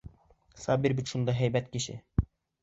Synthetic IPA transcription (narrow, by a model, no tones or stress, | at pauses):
sɑːbiɾbit̪ʃund̪ɑɦæjbɛt̪̚kʲʰɪʃɪ̰